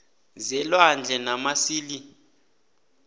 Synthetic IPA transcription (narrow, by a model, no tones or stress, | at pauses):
zɛlwand͡ɮʱɛnamasiːli